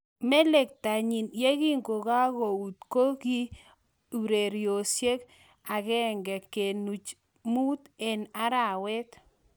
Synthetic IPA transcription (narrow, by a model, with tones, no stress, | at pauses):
me˦le˨k̚ta˨ɲi˨nje˦ɣi˦ŋko˨ka˦ɣo˨u˨t̪ko˦ki˦ | u˨ɾe˨ɾjo˨sje˦k | a˨ɣɛ˦ŋɡɛ˨ke˨nu˨t͡ʃ | mu˦t̪e˨na˦ɾa˨wɛ˦t̪